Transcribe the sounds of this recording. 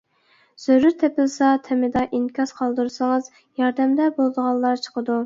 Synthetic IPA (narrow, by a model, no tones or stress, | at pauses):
z̥øɾyɾt̪ʰɛpɪlsɑt̪ʰɛmɪd̪ɑʔinkʲɑsqʰɑlˠd̪ɨɾɨsɨŋɨz̥ | jɑɾd̪ɛmd̪ɛbolˠɨd̪əʁɑlˠːɑɾt͡ʃʰə̥qʰəd̪u